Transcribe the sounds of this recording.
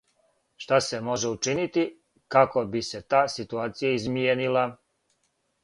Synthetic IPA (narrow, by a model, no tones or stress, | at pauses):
ʃt̪ase̞mo̞ʒe̞ut͡ʃinit̪i | kako̞bise̞t̪aːsit̪uaːt̪sijaizmienila